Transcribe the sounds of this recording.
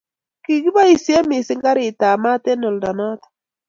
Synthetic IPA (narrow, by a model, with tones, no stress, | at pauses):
ki˨ki˦ba˦i˨sje˦mɪ˨sɪ˦ŋɡa˦ɾɪ˨ta˨ma˦te˦nɔ˨lda˨nɔ˦t̪ḁ